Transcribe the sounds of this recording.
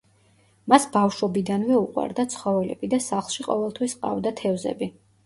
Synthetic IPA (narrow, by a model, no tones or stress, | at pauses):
masbafʃɔbid̪anvɛuqʼwa̰ɾd̪at̪sʰχɔvɛlɛ̰bid̪asaχlˠʃiqʼɔ̰vɛlˠt̪ʰwisqʼa̰vd̪at̪ʰɛvzɛ̰bi